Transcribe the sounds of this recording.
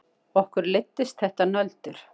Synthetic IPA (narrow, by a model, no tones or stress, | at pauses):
ɔhkʏɾlɪt̪ːɪst̪̚θɛht̪anœlt̪ʏɾ̥